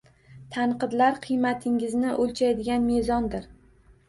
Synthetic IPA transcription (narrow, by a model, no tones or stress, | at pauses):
t̪ʰaɴqɨd̪laɾqʰɨjmat̪ʰɪŋɪznɪʔolʲt͡ʃʰajd̪ɪɡʲanme̞zɒnd̪ɪɾ